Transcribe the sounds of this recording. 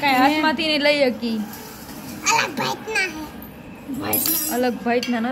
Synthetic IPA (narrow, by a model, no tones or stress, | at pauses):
kajasmat̪ineləjjekiː | ələɡ̚bʱajt̪naɦi | bʱat̪ələɡbʱajt̪nana